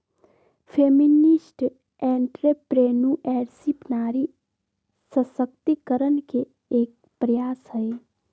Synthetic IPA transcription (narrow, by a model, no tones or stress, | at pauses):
fʰeːmɪnɪsʈ | ɛ̃ːɳʈɾepɾeːnuʔɛːɾsipnaːɾi | səsək̚t̪ikəɾənke | eːk̚ | pɾəjaːsɦəe